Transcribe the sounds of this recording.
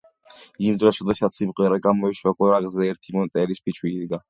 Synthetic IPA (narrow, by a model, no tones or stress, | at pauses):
imd̪ɾɔʃɔd̪aʃat̪simqʼwɛɾɛɡamɔiʃwakʼɛɾaɡzɛːɾt̪ʰimɔnt̪ʼɛɾispʰit͡ʃʰwiːd̪ɡa